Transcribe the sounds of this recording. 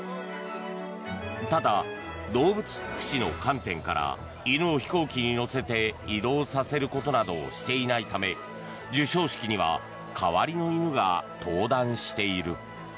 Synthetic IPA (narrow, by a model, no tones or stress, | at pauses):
t̪ad̪a | d̪o̞ːbɯ̟t͡sɨ̥ki̥ɕino̞̰kãnt̪ẽ̞ŋka̰ɾa̰ | inɯ̟oçi̥ko̞ːkʲiɲ̟ino̞se̞t̪e̞id̪o̞ːsase̞ɾɯ̟ko̞t̪o̞nad̪o̞ɕi̥t̪e̞inait̪ame̞ | d͡ʑɨɕo̞ːɕi̥kʲiɲ̟iβ̞a̰ | kʰaβaɾʲino̞inɯ̟ɡa̰t̪ʰo̞ːd̪ãɰ̃ɕi̥t̪e̞iɾɯ̟